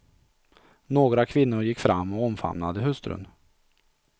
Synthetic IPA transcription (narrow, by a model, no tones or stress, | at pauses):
noːɡɾakʰvɪnːʊɾjɪkːfɾamːɔɔmfa̰mnad̪əɦɵst̪ɾɵ̰n